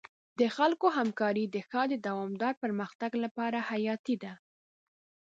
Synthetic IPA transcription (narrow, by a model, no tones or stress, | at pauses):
d̪̥əxalkoɦamkɑɾid̪əxɑd̪əd̪awɑmd̪ɑɾpəɾməxt̪aɡlapɑɾahajɑt̪id̪a